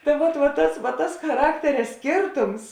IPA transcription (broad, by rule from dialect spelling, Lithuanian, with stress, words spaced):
tɐ ˈʋoːt ʋoːt ˈtɐs ʋɐ tɐs xɐˈrɑːktʲɛrʲɛ ˈsʲkʲeːrtʊms